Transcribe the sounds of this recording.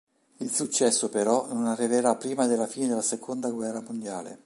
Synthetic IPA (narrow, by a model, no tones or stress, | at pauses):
ilsut͡ʃːɛsːopeɾɔnonarːiveɾapːɾiːmad̪elːafiːned̪elːasekʰond̪aɡwɛrːamond̪jaːlḛ